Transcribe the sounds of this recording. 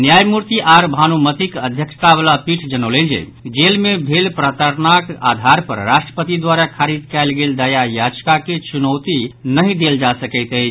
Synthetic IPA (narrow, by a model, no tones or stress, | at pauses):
njajmuɾt̪iʔaɾbʱanumət̪ikəd̪ʱjəkst̪abəlapiʈʰd͡ʒənəwlend͡ʒḛ | d͡ʒelmebʱelpɾət̪əɾnaka̰d̪ʱaɾpə̰ɾɾasʈɾə̥pət̪id̪waɾakʰaɾid̪kɛɪlɡeld̪əjajad͡ʒkaket͡ʃunəwt̪inəɦĩd̪eld͡ʒasəkəɪt̪əjt͡ʃʰ